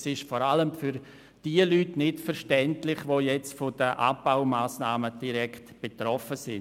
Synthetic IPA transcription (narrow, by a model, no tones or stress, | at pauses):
sɪʃfɔɾaləmfʏɾ | d̥iəlytnɪtfəɾʃtɛntlɪχʋoːjɛt͡stfɔd̥əʔa̰baʊmaːsnaːməd̥iɾɛktb̥etɾɔfəsɪn